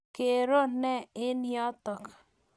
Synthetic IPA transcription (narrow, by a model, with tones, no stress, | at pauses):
ke˨ɾo˦˨nɛ˦˨ɪ˦njɔ˦t̪ɔ˨k